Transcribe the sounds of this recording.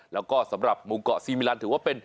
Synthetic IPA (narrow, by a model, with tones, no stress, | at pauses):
la˨˩wkɔ˧˩sə˨˦mɾa˨˩p̚mu˨˦ŋ͡mkɔ̰˧˨si˧mi˧laː˧nt̪ʰɨ˨˦˥pːe˧n